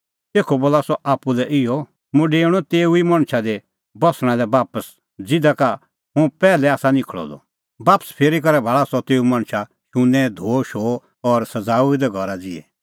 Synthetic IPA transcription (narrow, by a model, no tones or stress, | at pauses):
t̪eːkʰoboːlasɔʔaːpːulɛʔɪɔ | mũɖeːɽ̃ɔt̪eːuimɐ̃ɽ̃ʃʰad̪e | bɔsɽ̃ãd̪ɛbaːpəs | d͡zɪd̪aka | ɦũpɛːlɛaːsanɪ̃kʰɭɔ̰d̪ɔ̰ | baːpə̥spʰeːɾikɐɾɛbʱaːɭasɔt̪eːumãɽ̃ʃʰa | ʃʊ̃nːɛd̪ʱoːʃoː | ɔɾsɐd͡zaːuid̪ɛɡʱɔɾad͡zɪɛ̰